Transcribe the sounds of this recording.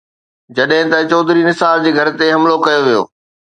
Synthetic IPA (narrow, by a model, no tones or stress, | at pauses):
d͡ʑɐɗɦɪ̃t̪ɐt͡ɕɔːd̪ɾinɪsaːld͡ʑeːɡʱɐɾt̪eɦɐmlokɐjoʋijo̰ː